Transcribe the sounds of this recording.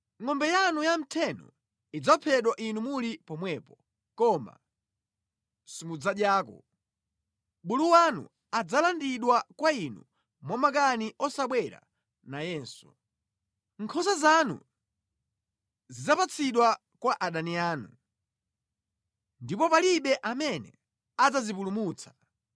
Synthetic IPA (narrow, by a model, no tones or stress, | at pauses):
ŋɔmbɛjanujam̩tʰɛnɔ̰ | id͡zapʰɛɗwaʔinumulipɔmwɛpɔ | kɔma̰ | sumud͡zaɗjaːkɔ̰ | ɓuluwanṵ | ad͡zalandiɗwakwainṵ | mwamak̬aniʔɔsaɓwɛɾa̰ | najɛːnsɔ | ŋkʰɔzazanṵ | zid͡zapat͡sʰiɗwa | kwaʔaɗaniaːnu | ndipɔpaliɓɛʔamɛnɛ̰ | ad͡zazip̬ulumuːt͡sʰḁ